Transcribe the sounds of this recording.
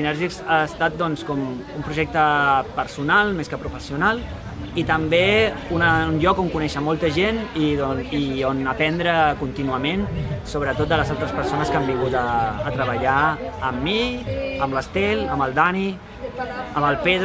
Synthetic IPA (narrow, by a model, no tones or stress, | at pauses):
sinɛɾʒikzast̪at̪̚d̪ɔnskɔm | umpɾuʒɛk̚t̪əpəɾsunalˠmeskəpɾufəsiunalˠ | it̪əmbeunənʎɔkoŋkunɛʃəmɔlˠt̪əʒeniionəpɛnd̪ɾəkunt̪inuəmensoβ̞ɾət̪ot̪̚d̪ələzalˠt̪ɾəspəɾsonəskambiŋɣut̪əːt̪ɾəβəʎaːmːiəmləst̪eləməlˠd̪ani | əməlˠpeð